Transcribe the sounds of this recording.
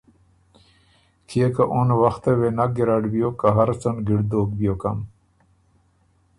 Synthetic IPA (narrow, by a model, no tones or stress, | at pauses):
kʰiekaʔonwɐxt̪ewenaɡiɾaɖbijokaɦɐɾt͡sɐnɡiɽd̪oːk̚bijoːkɐm